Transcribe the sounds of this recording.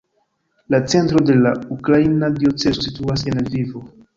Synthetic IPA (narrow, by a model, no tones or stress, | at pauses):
lat͡se̞ntɾo̞de̞laukɾainadiot͡se̞zosituase̞nalvivo̞